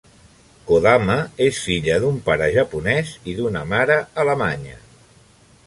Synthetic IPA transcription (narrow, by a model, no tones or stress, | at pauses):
koðaməesfiʎəðumpaɾəʒəpunɛziðunəmaɾəːləmaɲə̰